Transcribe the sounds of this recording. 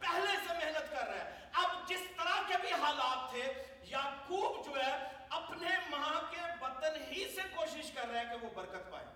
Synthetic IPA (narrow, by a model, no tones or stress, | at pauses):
pɛɦlesemɛɦnət̪kɐɾːəɛ̰ | ɐbd͡ʒɪst̪əɾakebʱiɦaːlaːt̪ʰːe | jaːkuːbd͡ʒoːɦɛ | ɐpnemɐɦãkeʋɐt̪ənɦisekoːʃɪʃkɐɾːəɦɛ̃keʋobɐɾkət̪pa̰ːḛː